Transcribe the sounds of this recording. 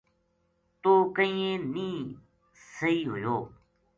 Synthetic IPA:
t̪oːkəĩːẽːnĩː | səɦiːɦʊ̰joː

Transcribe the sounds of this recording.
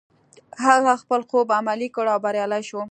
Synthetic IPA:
haɣaxpəlxobamalikəɽawbaɾjɑlajʃo

